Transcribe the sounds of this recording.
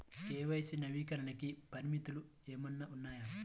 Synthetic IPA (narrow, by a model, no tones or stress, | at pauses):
eːʋɐjsinɐʋiːkɐɾɐnɐkipɐɾimit̪ulu | eːmɐnːɐʔunːaːjɐ